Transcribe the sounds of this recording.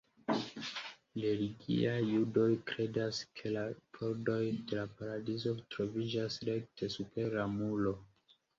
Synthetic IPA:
leliɡḭajːudo̞jkɾe̞daskʰe̞lapʰo̞ɾdo̞jde̞lapaɾadizo̞tɾo̞vid͡ʒasɾe̞k̚tʰe̞supe̞ɾamulo̞

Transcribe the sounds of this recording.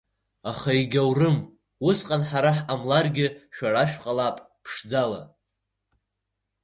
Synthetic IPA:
aχaiɡʲawrɨm | wʊsqʼanħaɾaħamlarɡʲɪʃᶣaraʃᶣqʼalapʼ | pʰʂd͡zala̰

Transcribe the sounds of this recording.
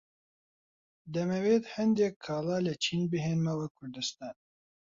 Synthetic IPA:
d̪ɛmɛweːt̪hɛnd̪ɛkʰːɑːlɑːlɛt͡ʃʰiːnbɨɦeːnmɛwɛkʰʊɾd̪ɨst̪ɑːn

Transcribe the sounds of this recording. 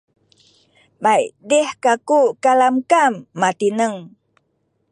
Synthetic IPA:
bajdehkakukalamkamːat̪inəŋ

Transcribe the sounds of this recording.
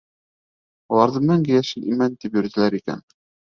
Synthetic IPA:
ulˠɑɾðɤmɘŋɡɘjæʃɘlimænt̪ipjɵ̆ɾt̪ɘ̆læɾikæ̰n

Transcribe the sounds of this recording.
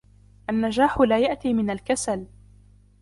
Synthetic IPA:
ʔanːad͡ʒaːħʊlaːjaʔt̪iːmɪnalkasal

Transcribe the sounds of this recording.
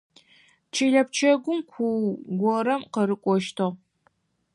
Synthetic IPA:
t͡ʃʰiɮɐp̚t͡ʃʰɐɡʷʊmkʷʰuwɡʷɔɾɐmqɐɾɨkʷʼɔʃtʰɨʁ

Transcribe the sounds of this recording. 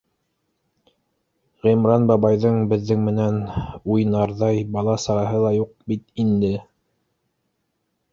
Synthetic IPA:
ʁĭmɾɑnbɑβɑjðɤɴbɘ̆ðːɘŋmɘ̆nænujnɑɾðɑjbɑlˠɑsɑɾɑɦɤlˠɑjuq̚bit̪ind̪ɘ

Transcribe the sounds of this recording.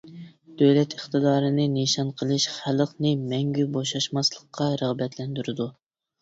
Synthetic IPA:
d̪̥øwlɛt̪ʰəχt̪ɨd̪ɑːɾɨnɨneʃɑnqʰəlˠɨʃχælˠəqnɨmɛŋɡʲyboʃɑʃmɑslˠəqʰːɑɾəʁbɛt̪ʰlɛnd̪yɾɪd̪u

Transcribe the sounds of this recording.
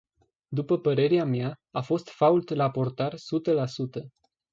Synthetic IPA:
d̪upəpəɾe̞ɾeamjaafo̞st̪fault̪lapo̞rt̪arsut̪əlasut̪ə

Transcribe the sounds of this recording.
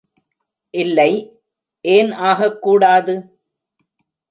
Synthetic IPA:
ʔɪlːɐɪ | ʔeːnaːɣɐkːuːɽaːðɯ

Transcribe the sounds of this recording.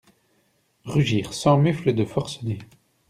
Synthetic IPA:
ʁyʒiːʁsɑ̃myfləd̪əfɔʁsəne

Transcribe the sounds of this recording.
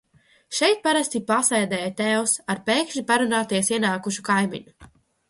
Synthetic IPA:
ʃɛjt̪̚paɾast̪ipasajd̪ɛːjat̪ɛːwsaɾpeːkʃipaɾunaːt̪iɛsiɛnaːkuʃukajmḭɲu

